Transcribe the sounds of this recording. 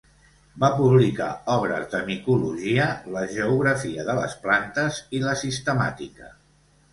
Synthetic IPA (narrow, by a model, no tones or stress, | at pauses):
bapuβlika̰ɔβɾə̰zdəmikuluʒiələʒəuɣɾəfiəðələ̰splant̪əziləsist̪əma̰t̪ikə